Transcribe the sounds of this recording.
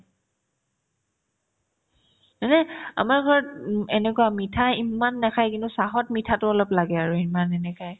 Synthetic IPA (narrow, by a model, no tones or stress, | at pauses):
ɛnɛa̰maɹɡʱɔɹɛnɛkuamitʰaimanːɛkʰajkintʊsaɦɔt̚mitʰatʊɔlɔplaɡɛaɹuimanɛnɛkʰaj